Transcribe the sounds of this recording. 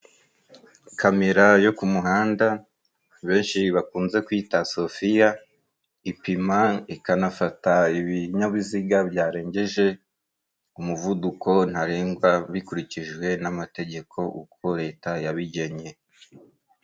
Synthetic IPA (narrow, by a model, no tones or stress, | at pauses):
kʰame̞ɾajo̞kumuɦaːnda | βe̞ːnʃiβakuːnze̞kwiːtaso̞fija | ipimaikanafataiβiɲaβiziɡaβjaːɾe̞ːɲɟe̞ʒe̞ | umuvuduko̞n̥haɾeːŋɡwaβikuɾiciʒwe̞namate̞ɟe̞kʰo̞ʔukʰo̞ɾe̞ːtajaβiɟe̞ɲe̞